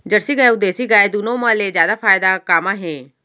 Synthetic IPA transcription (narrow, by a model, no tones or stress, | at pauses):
d͡ʒəɽsiːɡəeʊd̪eːsiːɡaːɪd̪unõːmãːleːzjaːd̪aːpʰaːjɪd̪aːkaːmãːɦẽː